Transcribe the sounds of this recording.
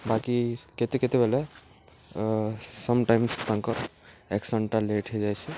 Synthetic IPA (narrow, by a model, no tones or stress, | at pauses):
bakiket̪eket̪ebʱele | sɔmʈajmst̪ãŋkɔɾ | eksəɳʈaleʈʰɦed͡ʒajt͡ʃʰɛ